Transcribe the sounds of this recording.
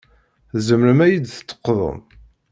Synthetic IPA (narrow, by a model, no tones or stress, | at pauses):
zəmɾəmæjid̪θə̥t̪ːə̥qːðˤə̰m